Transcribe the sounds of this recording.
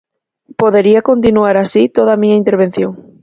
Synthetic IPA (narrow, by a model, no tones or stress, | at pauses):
poðeɾiɐkont̪inuaɾasit̪oðamiɲaint̪eɾβ̞en̟θjoŋ